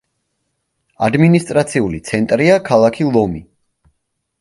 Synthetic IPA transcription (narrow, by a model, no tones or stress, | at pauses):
ad̪minist̪ʼɾat̪sʰiulit̪sʰɛnt̪ʼɾiakʰalˠakʰilˠɔmi